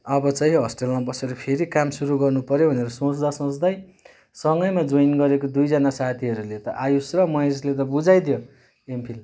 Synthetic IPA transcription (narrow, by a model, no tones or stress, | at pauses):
ʌbʌt͡sʌɦĩɦʌsʈelmabʌseɾʌpʰeɾikamsuɾuɡʌrnupʌɾjobʱʌneɾʌsõt͡sd̪asʌ̃t͡sd̪ʌj | sʌŋɡʌjmad͡zoinɡʌɾekod̪ujd͡zʌnasat̪ʰiʌɾulet̪ʌʔajusrʌmʌeslet̪ʌbud͡zajd̪ijo | empʰil